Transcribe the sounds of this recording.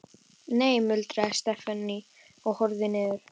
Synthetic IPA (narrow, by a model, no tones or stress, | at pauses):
neːjmʏlt̪ɾaɛst̪ɛfanːi | ɔɣhɔɾðɪnɪðʏɾ̥